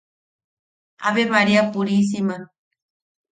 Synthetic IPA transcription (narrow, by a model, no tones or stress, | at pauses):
a̰βemaɾiapuɾis̬ima